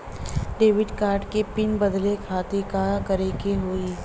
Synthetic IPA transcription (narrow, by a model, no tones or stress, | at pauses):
ɖeːʋɪɖkaːɾɖkepɪnbɐd̪lekʰaːt̪ekakɐɾekeɦoi